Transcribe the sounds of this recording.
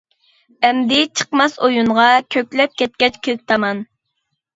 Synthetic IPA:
ɛmd̪ɪt͡ʃʰə̥qmɑsojuɴʁɑkʲʰøkʲlɛp̚kʲʰɛt̪̚kʲɛt͡ʃkʲʰelɪp̚t̪ʰɑmɑn

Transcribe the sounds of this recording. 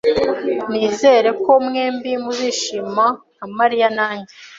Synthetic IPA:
niːzeɾe̞ko̞mŋeːmbimuziʃima | amaɾijanaːɲɟe

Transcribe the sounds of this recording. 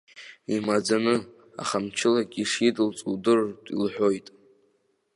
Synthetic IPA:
imad͡zanɨ | a̰χamt͡ʃʰɪlaɡʲʼiʂidlt͡sʼuwdɨrdʼḭlħʷᶣo̞jtʼ

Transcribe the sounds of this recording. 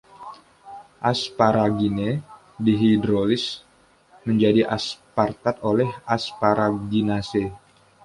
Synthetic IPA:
ʔaspaɾaɡine | diɦidɾolɪs | məɲd͡ʒadiʔaspart̪at̪olɛhaspaɾaɡinase

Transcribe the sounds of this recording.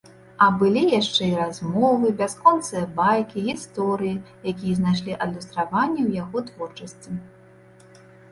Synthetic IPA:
ɐbɨlʲijaʂt͡ʂɛiɾazmɔvɨbʲaskɔnt̪sɨjɐbajkʲiɣʲist̪ɔɾɨjijakʲijɛznajʂ̬lʲiʔɐd̪lʲust̪ɾavanʲːɛwjaɣɔt̪vɔrt͡ʂɐsʲt͡sʲi

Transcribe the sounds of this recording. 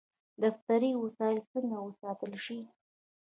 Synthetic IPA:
d̪aft̪aɾiwəsɑjlt͡səŋɡawəsɑt̪əlʃi

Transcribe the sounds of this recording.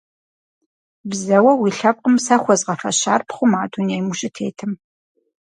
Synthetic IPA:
bzɐwɐwiːɬɐp̚qʼəmsɐχʷɔzʁɐfɐɕa̰ːrpχʷʊmaːdʰʼʊnejmuɕʼɪtʰḛːtʰɨm

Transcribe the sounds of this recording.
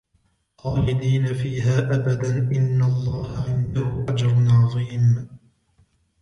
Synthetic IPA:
qˤɑːħɪd̪iːnafiːɦaːʔabad̪anʔɪnːalˤːɑːhaʕɪnd̪ahʊʔad͡ʒɑɾˤʊnʕɑðˤiːm

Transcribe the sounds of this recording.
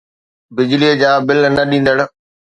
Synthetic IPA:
bɪd͡ʑliəd͡ʑaːbɪlnɐɗĩːn̆d̪əɽ̆

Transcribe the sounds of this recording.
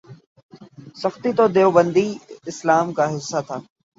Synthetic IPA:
sɐxt̪it̪od̪eobə̃nd̪iɪslaːmkaɦɪsːat̪ʰaː

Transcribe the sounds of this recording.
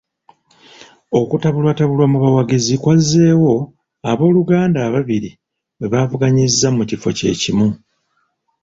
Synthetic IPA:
o̞kutaβulwataβulwamuβawaɡezikwaze̞ːwo̞ | aβo̞ːluɡaːndaːβaβiɾi | we̞βaːvuɡaɲizːamucifo̞̰ce̞̰ːcimu

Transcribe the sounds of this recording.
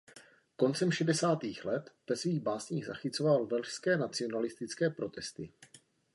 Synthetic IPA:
kont͡sɛmʃɛdɛsaːt̪iːxlɛt̪vɛsviːɣbaːsɲiːɣza̰xɪt͡so̞valvɛlʃskɛːnat͡sɪo̞nalɪst̪ɪt͡skɛːpɾo̞t̪ɛst̪ɪ

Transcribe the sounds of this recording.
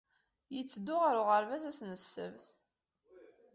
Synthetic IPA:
jət͡sːəd̪ːʊʁaɾʊʁəɾvæzæsnəsːə̰vθ

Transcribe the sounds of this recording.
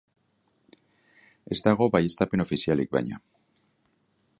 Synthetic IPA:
e̞zd̪aɣ̞o̞βaje̞st̪ape̞no̞fisialik̚βa̰jɲa̰

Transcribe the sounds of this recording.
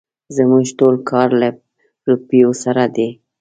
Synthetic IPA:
zəmuʒʈolkʰɑɾla | ɾupijosaɾad̪e

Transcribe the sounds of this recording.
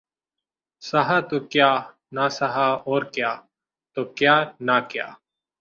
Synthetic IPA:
saɦaːt̪oːkjaː | naːsaɦaːɔːɾkjaː | t̪oːkjaːnaːkja̰ː

